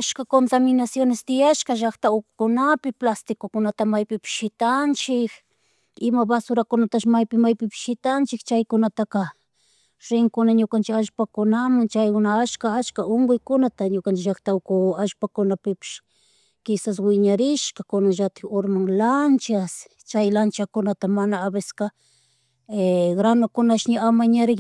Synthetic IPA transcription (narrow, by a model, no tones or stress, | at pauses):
aʃkakont̪amɪnasjonɪst̪ɪjaʃkɑʒakt̪aʊkʊ̥kʊnapɪplast̪ɪkʊkʊnat̪amajpɪpɪ̥ʃʃɪt̪ant͡ʃɪk | ɪmabasʊɾakʊnat̪aʃmajpɪmajpɪpɪ̥ʃʃɪt̪ant͡ʃɪkt͡ʃajkʊnat̪aqɑ | ɾɪŋkʊnaɲʊkant͡ʃɪkaʃpakʊnamaŋt͡ʃajʊnaat͡ʃkaat͡ʃkaʔoŋɡʊjkʊnat̪aɲʊkant͡ʃɪkʒakt̪awkʊaʒpakʊnapɪpɪ̥ʃ | kɪsaswɪɲaɾɪʃkakʊnaʒat̪ɪoɾmaŋlant͡ʃas | t͡ʃajlant͡ʃakʊnat̪amanaːbeska | eɡɾanʊkʊnaʃɲɪamaɲaɾɪk